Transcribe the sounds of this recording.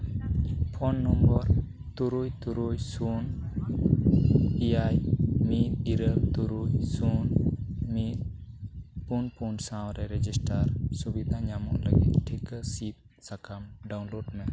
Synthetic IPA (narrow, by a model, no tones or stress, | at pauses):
pʰɔnːɔmbɔɾ | t̪uɾujt̪uɾujsun | iajmit̪iɾəlt̪uɾujsunmit̪̚ | punpunsãwɾɛɾɛd͡ʒisʈaɾsubid̪ʱaɲamɔŋləɡḭt̪̚ʈʰikəsip̚ | sakʰamɖawnloɖmɛ